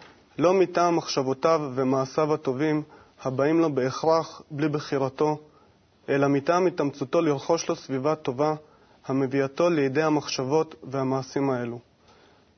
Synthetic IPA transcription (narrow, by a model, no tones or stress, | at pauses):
lo̞mitaːmːaχʃavo̞tavːemaːsavhato̞vim | habaimlo̞be̞ːχʁaχblibeχiʁato̞ | ʔe̞lamitaːmitamt͡suto̞liʁχo̞ʃlo̞svivato̞va | hame̞viato̞lejde̞jhamaχʃavo̞tve̞hamaːsimae̞lu